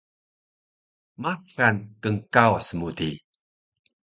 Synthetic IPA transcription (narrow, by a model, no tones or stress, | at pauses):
makankəŋkawasəmudi